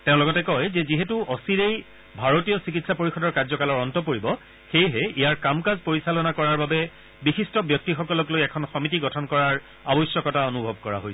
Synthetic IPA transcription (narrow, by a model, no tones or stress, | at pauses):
tẽʊ̃lɔɡɔtɛkɔjzɛziɦetuɔsiɹej | bʱaɹotijɔsikitsapoɹixɔdɔɹkazɔkalɔɹɔntɔp̬oɹibɔ | xejɦɛijaɹkamkazpoɹisalɔnakɔɹaɹbabɛ | bixistɔbjɔk̚tixɔkɔlɔklojɛkʰɔnxɔmitiɡɔtʰɔnkɔɹaɹ | abɔjsjɔkɔtaonubʱɔbkɔɹa̰ɦojsɛ